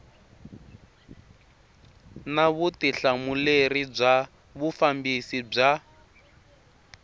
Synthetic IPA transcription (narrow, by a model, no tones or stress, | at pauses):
naβutiɬamulerib͡ʐa | βufambisib͡ʐa